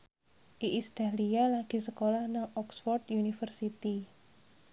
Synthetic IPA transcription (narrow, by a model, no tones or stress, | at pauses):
ʔiʔist̪a̤lialaɡ̥i̤səkolahnaʔɔksfɔrd̪junifərsit̪i